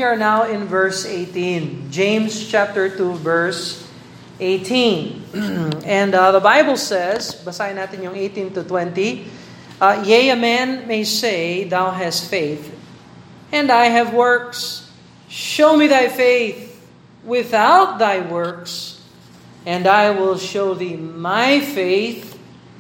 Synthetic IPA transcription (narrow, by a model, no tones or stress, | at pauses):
ə˞naʊɪ̃nvɜ˞seɪtĩnd͡ʒẽɪ̃mzt͡ʃʰæp̚tə˞tuvɜ˞s | eɪtʰĩn | ɛ̃ndðəbaɪbəl̩ˠsɛzbəsajnat̪ɨ̃njʊ̃ŋeɪtĩntɨt̪wɛ̃nti | jeɪɨmæ̃nmeɪseɪðaʊɦæstfeɪθ | ɨ̃naɪɨvwɜ˞ks | ʃoʊmiðaɪfeɪθ | wɪθaʊt̪̚ðaɪwɜ˞ks | ɨ̃naɪwɪlˠʃoʊðimaɪfeɪθ